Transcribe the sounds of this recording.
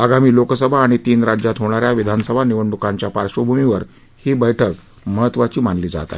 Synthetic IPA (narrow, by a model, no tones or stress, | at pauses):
aɡamiːlokəsəbʱaːɽ̃it̪iːnɾad͡ʑjat̪ɦoɽ̃aɾjaʋid̪ʱanəsəbʱaniʋəɳɖukaɲt͡ɕjapaɾʂəbʱumiʋəɾ | hibəjʈʰək̚ | məɦət̪ːʋat͡ɕiːmanliːd͡za̰t̪a̰